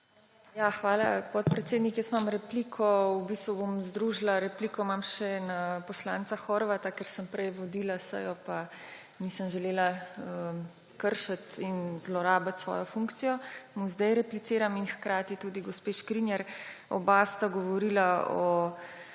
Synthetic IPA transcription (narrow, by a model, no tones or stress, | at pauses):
jaxʋaːla̰pɔt̪̚pɾɛt̪seːd̪nikjəst̪mamɾɛplikʰɔubist̪ʋubomzd̪ɾuʒlaɾɛpliːkɔmamʃɛnapɔslaːnt̪saxɔɾʋat̪akɛɾsəmpɾɛjʋɔd̪ilasə̰jɔpa | niːsəmʒɛleːlaə | kəɾʃat̪inzlɔɾaːbat̪sʋɔ̰ːjɔfuŋkt̪sijɔmuzd̪ɛjɾɛplit̪seːɾaminxkɾaːt̪it̪uːd̪iɡospeʃkɾinjɛɾɔ̰bast̪aɡɔʋɔɾiːlaɔ̰